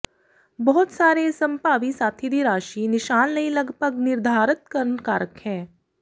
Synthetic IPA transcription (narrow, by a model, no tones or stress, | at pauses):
bɔɦʊt̪saːɾesɐ̃mpaːʋisaːt̪ʰid̪ʱiɾaːʃinɪʃaːnlɐĩlɐɡpəɡnɪɾd̪ʱaːɾɪt̪̚kɐɾənkaːɾəkhɛ̃ː